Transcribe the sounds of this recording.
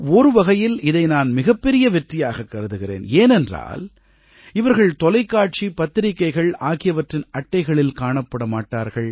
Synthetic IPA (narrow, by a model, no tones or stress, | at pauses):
ɔɾɯʋɐɣɐjɪlɪðɐɪnaːnmɪɣɐpːɛɾɪjɐʋɛʈrɪjaːɣɐkːɐɾɯðɯɣɪrḛːneːnɛndra̰ːl | ɪʋɐɾɣɐɭt̪ɔlɐɪkːaːʈ̚t͡ʃipɐt̪ːɪɾɪkːɐɪɣɐɭaːɣɪjɐʋɐʈrɪnɐʈːɐɪɣɐɭɪlkaːɳɐpːɐɽɐmaːʈːaːɾɣɐɭ